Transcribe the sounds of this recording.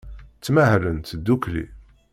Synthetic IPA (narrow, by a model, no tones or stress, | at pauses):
t͡sːmæhlənt̪d̪ːuklḭ